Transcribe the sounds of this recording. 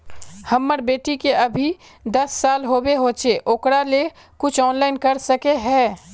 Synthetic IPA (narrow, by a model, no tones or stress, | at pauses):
hɐmːəɾbeːʈikeʔɐbʱi | d̪ɐsːaːlɦoːbeɦoːt͡ʃeʔoːkɽale | kʊt͡ʃʰɔːnlaːɪnkɐɾsəkeɦɛː